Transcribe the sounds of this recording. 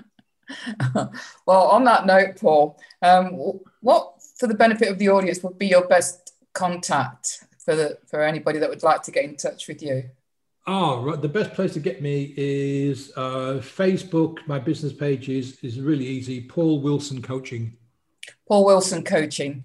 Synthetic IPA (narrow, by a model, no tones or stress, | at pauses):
wɛlˠə̃nðəʔnəʊʔ̚pʰɔːlˠ | ʌ̃m | wɒʔtfəðəbɛñɪfɪtəvðiɔːɾiə̃nswəd̚bijəbɛs | kʰɒ̃ntʰak̚t | fəfəɹɛñɪbɒɾiðəʔwədˡlaɪk̚tʰəɡɛtɪ̃ntʰʌt͡ʃwɪðjʉ | oɹaɪt̪ðəbɛspʰl̥eɪstʰəɡɛʔmiɪz̥ʌfeɪsb̥ʊkmaɪbɪznɪspʰeɪd͡ʒɪzɪzɹɪːliiːzipʰɔːlˠwɪlˠsə̃nkʰoʊt͡ʃɪ̃ŋ | pʰɔːlˠwɪlˠsə̃nkʰoʊt͡ʃɪ̃ŋ